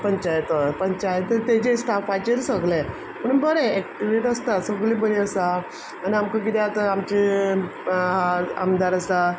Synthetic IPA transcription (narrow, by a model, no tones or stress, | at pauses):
pəɲt͡ɕajt̪əpəɲt͡ɕajt̪əɾt̪ed͡ʑesʈʰafajt͡ɕeɾsəɡle | pəɳbəɾeek̚ʈiʋeʈəst̪asəɡlibəɾiəsaː | niamkak̬it̪ɛat̪əamt͡ɕi | ɦaa̰md̪ʱaɾəsa